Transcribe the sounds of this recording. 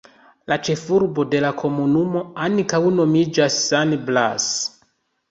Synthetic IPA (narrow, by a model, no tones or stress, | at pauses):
lat͡ʃe̞fuɾbo̞de̞lakʰo̞munumo̞ankawno̞mid͡ʒasːanbla̰s